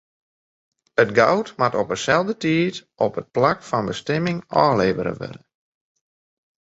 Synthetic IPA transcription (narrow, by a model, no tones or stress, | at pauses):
ətɡawtmatɔpəsɛlˠdətiətʔɔpət̚plakfɑnbəstɛmɪŋɔːleːvəɾə̰ʋø̰dən